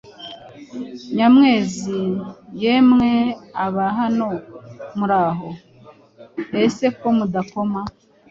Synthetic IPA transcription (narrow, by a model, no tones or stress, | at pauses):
ɲamŋe̞ːzijemŋeaβaɦano̞muɾaɦo | ese̞komudako̞ma